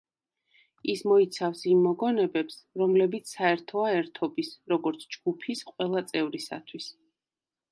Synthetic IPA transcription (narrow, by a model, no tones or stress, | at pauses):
ismɔit̪sʰafsimːɔɡɔnɛbɛpsɾɔmlɛbit̪sʰsaɛɾt̪ʰɔaɛɾt̪ʰɔbisɾɔɡɔɾt̪sʰd͡ʒɡ̥upʰisqʼwɛlˠat̪sʼɛvɾisa̰t̪ʰwis